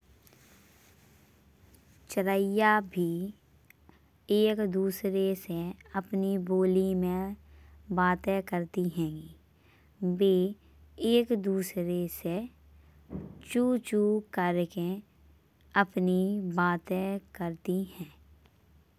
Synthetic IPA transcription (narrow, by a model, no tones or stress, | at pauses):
t͡ʃəɾəjabʱi | eːkd̪uːsɾeseəpniboːlimẽ | baːt̪ɛkəɾt̪iɦɛ̃ːɡi | beː | eːkd̪uːsɾese | t͡ʃut͡ʃuːkəɾke | əpnibaːt̪ɛkəɾt̪ihɛ̃ː